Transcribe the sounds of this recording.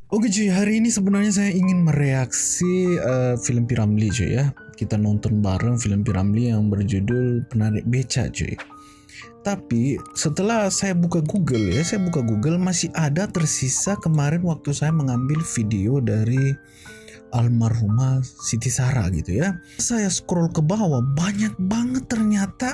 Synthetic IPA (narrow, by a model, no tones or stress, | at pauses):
oɡid͡ʒujaɦaɾiːnisəbənarɲas̬ajaiŋɪnməɾeaksiəfiləmpiɾamlid͡ʒṵjakit̪anɔnt̪ɔnba̰ɾəŋfiləmpiɾa̰mlijaŋbərd͡ʒudʊlpənaɾɪk̚bet͡ʃa̰d͡ʒṵa̰ | t̪apisət̪əlahsajabukaɡuɡəljasajabukaɡuɡəlmasɪʔadat̪ərsisakəmaɾɛnwak̚t̪usajaməŋambɪlfideodaɾi | ʔalmarɦumasit̪̬isaɾa̰ɡḭt̪ujasajasə̥kɾɔlkəbawabaɲak̚baŋət̪ːərɲat̪a